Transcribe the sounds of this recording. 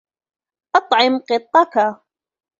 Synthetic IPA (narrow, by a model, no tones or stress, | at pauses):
ʔɑt̪ˤʕɪmqɨt̪ˤːɑka